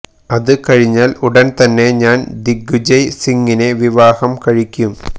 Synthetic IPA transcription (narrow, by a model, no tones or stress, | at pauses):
ɐðɨkɐɻɪɲːaːluɽɐnt̪ɐnːeɲaːnd̪iɡud͡ʑɐjsiŋɡineʋiʋaːhɐmkɐɻikʲːum